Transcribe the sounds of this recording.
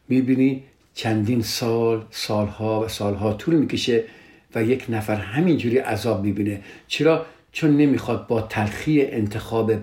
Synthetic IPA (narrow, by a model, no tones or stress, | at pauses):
mibiːni | t͡ʃʰænd̪iːnsɒːlsɒːlhɒːvæsɒːlɦɒːt̪ʰuːlmiːkʰeʃe | væjekʰnæfæɾhɦæmind͡ʒuːɾiːʔæzɒːbmiːbiːnet͡ʃʰeɾɒː | t͡ʃʰonːemiːxɒːd̪̚bɒːt̪ʰælxiːeʔent̪ʰe̞xɒːbe